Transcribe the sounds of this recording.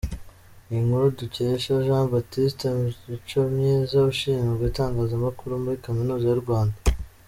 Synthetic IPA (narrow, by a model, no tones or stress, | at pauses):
iŋhuɾuduceʃaʒãːbatistemiit͡ʃomɲezauʃiːɲabɡitaːŋɡaːzamakuɾumuɾikominuːzajuɾɡwaːnda